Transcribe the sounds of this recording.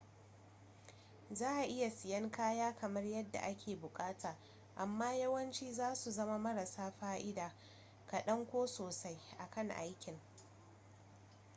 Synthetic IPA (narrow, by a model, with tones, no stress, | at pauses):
zaː˦ʔa˨ʔɪ˦ja˨sɪ˨jɐ˦ŋkaː˦jaː˦kʰɐ˨mɐ˦rjɐ˦dːa̰˨ʔa˦kʲʰeː˨bʊ˨kʼaː˦tʰaː˨ | ʔa˨mːaː˦jɐ˦wɐ˦nt͡ʃiː˦zaː˦su˨zɐ˦ma˦mɐ˦ɾa˨saː˦ɸaː˦ʔɪ˦daː˨ | ka˨ɗɐ˦ŋkʷoː˦soː˨sa˦jʔa˨kɐ˦˨ŋʔa̰˦jkʲɪ˨ŋ